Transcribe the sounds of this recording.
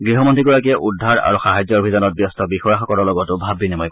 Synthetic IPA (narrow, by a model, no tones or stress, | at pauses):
ɡɹiɦɔmɔntɹiɡɔɹakiɛʔudʱːaɹa̰ɹuxaɦajzɔɹobʱizanɔt̚bjɔstɔbixɔjaxɔkɔlɔlɔɡɔtʊbʱabːinimɔjk